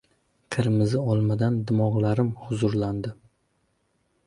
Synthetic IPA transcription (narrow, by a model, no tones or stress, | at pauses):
qʰɨɾɪmɪzɪɒlˠmad̪and̪ɪmɒʁlˠaɾɪmhʊzʊɾland̪ɪ